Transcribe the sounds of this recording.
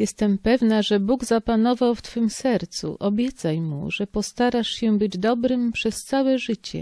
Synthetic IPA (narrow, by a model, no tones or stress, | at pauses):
jɛst̪ɛmpɛvnaʐɛbuɡzapanɔvawft̪fɘmsɛɾt̪sṵʔʔɔbʲjɛtt̪sajmṵʐɛpɔst̪aɾaʂɕɛbɘd͡ʑd̪ɔbɾɘmpʂɛst̪sawɛʐɘt͡ɕɛ̰